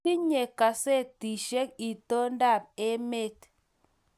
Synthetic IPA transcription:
i˦ɲe˨ka˨se˦˨ti˨ʃe˦k̚i˨to˦n˦da˦˨p̚e˦me˦˨t

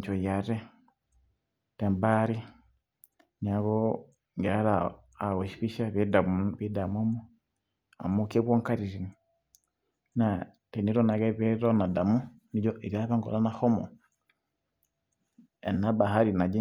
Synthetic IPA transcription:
t͡ʃɔ˨ja˨ɾɛ˦ | tɛ˨mba˦ɾi˦ | ɲa˨ɡɔ | ŋɡɛ˨a˦ɾaː˨ | ɔ˨ʃi̥˨pi˦ʃa˦βɛ˦da˨mβi˦da˨mɔ˦mɔ˦ | a̰˨mukɛ˦βwɔ˦ŋka˦ɾi˨ɾi˨ni | na˨ | tɛ˨ni˦ɾɔ˦na˨ɡɛ˦βɛ˦ɾɔ˦na˨da˨mu˦ | ni˦d͡ʒɔ˦ʔi˨ɾia˦βa˦ŋɡɔ̰˨la˦na˦hɔ˦mɔ̰˨ | ɛ̰˨na˦ba˨ɦa˦ɾi˨na˨d͡ʒi˦

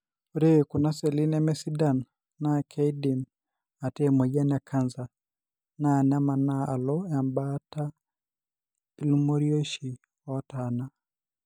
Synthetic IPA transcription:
uɾe˦ku˨na˦sɛ˨li˦nɛ˦mɛ˦si˦da˨nː | a˦kʰɛ˦i˦di˨m | a˨tɛ˦mɔ˨ja˦na˨kʰa˦nza˨ | na˦˨nɛa˦ma˨na˦a˨lɔ˦a˨mba˦ta˦ | ti˦lu˦mo˦ɾio˦ʃi˨ | ɔ˦tana˦

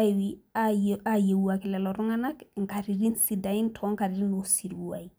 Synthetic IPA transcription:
a˦i˨wi | a˨je˨wua˨kɛ˨lɛ˨lɔ˨ɾu˦ŋa˦na˦ŋ̩˨ka˨ɾi˨ɾi˦nsi˨da˨ĩ˦ntʰɔ̃˦ŋka˨ɾiɾi˦no˨si˨ɾi˨wu˨a̰˨ji˨

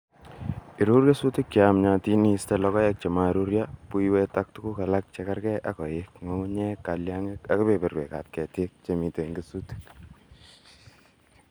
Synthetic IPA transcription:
i˨ɾu˦ɾja˦su˦tɪ˦k̚t͡ʃamɲa˨ti˦ni˦ste˦lɔkɔ˦jɛ˦k̚t͡ʃe˨ma˨ɾu˦ɾjapu˦iwɛ˦ta˦k̚tu˦ku˦ka˨la˦k̚t͡ʃe˧kaɾkɛʔakɔ˨jekmo˦u˦ɲɛ˦ka˨ljaŋe˦ka˨ku˦pe˨pe˨ɾwḛ˨ka̰˨t̚kɛ˨te˦k̚t͡ʃe˨mi˨te˨ŋɡesuti̥˦k

